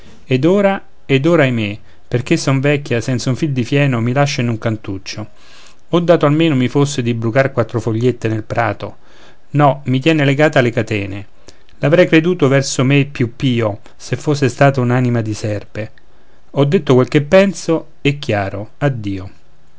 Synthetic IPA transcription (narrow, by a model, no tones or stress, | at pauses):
ed̪oːɾa | ed̪oːɾaːjme | perk̟esːɔɱvɛkʲːjasɛnt̪sauɱfild̪ifjɛːnomilaʃːainuŋkant̪ut͡ʃːo | ɔd̪ːaːt̪oalmeːnomifosːed̪ibɾukarkwat̪ːɾofoʎːet̪ːenelpɾaːt̪o̰ | nɔmit̪̬jɛːneleɡaːt̪alekat̪ɛːne | lavɾɛjkɾed̪uːt̪ovɛrsomepːjupːiːo | sefːosːest̪aːt̪aunaːnimad̪isɛrpe | ɔd̪ːet̪ːokwelk̟epːɛnso | ɛkːjaːɾoad̪ːiːo